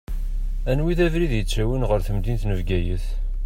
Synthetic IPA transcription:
ænwiðævɾiðjət͡sːæwənʁəɾθəmd̪int̪nəvɡæjəθ

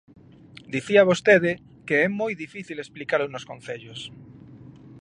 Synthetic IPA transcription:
d̪iθiaβ̞ost̪eðɪ | keɛmojðifiθilesplikaɾʊnoskonθeʎʊs

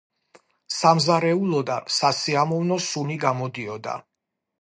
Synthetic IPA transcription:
samzaɾɛulˠɔd̪a̰sasiamɔvnɔsuniɡamɔd̪iɔd̪a̰

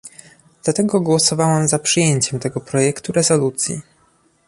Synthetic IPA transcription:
d̪̥lat̪ɛɡɔɡwɔsɔvawɛmzapʂɨjeɲt͡ɕɛmt̪ɛɡɔpɾɔjɛkt̪uɾɛzɔlut̪sʲjḭ

